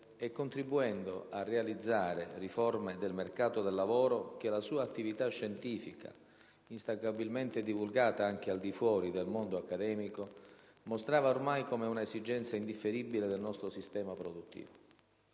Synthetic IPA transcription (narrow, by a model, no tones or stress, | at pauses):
ɛkːont̪ɾibːuɛnd̪o̰ʔarːealid̪zːaːɾeriformed̪elmerkaːt̪od̪elːavoːɾok̟elasuːaːt̪ːivit̪aʃːɛnt̪iːfika̰ | inst̪aɡabilment̪ed̪ivulɡaːt̪aaŋk̟eald̪ifwɔːɾid̪elmond̪oakːad̪ɛːmiko | most̪ɾaːvaormajkomeunaezid͡ʒɛnt̪saind̪ifːeɾibiled̪elnɔst̪ɾosist̪ɛːmapɾod̪ut̪ːḭːvo